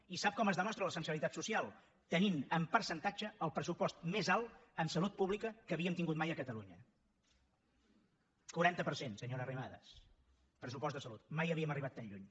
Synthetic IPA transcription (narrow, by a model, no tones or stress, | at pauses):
isap̚kɔməzðəmɔst̪ɾələsəns̬iβilit̪at̪susialˠ | t̪əninəmpəɾsənt̪ad͡ʒəəlˠpɾəsupɔst̪mezalˠəmsəlut̪̚puβlikəkəβiəmt̪iŋɡut̪majəkət̪əluɲə | kuɾant̪əpəɾsensəɲoɾərimaðə̰s | pɾəsupɔst̪əsəlut̪̚majəβiəməriβat̪ːaɲʎuɲ